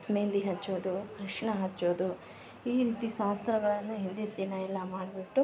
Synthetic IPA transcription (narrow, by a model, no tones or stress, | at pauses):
meːnd̪iɦɐt͡ʃːoːd̪uɾɐʂɐɳɐɦɐt͡ʃːoːd̪u | iːɾiːt̪iʃaːst̪ɾɐɡɐɭɐnːuɦind̪et̪ːinɐɛlːɐmaːɖbiʈːu